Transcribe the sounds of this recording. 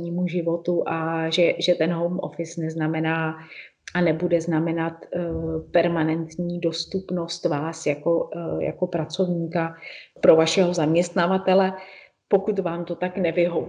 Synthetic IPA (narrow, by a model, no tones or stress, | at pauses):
ɲiːmuʒɪvo̞t̪uʔaʒɛʒɛt̪ɛnɦowmʔo̰fɪsnɛznamɛnaː | ʔanɛbudɛznamɛnat̪pɛɾmanɛnt̪ɲiːdo̞st̪upno̞st̪vaːsjako̞ja̰ko̞pɾat͡so̞vɲiːkapɾo̞vaʃɛɦo̞zamɲɛst̪navat̪ɛlɛ | po̞kut̪vaːmt̪ot̪aknɛvɪɦov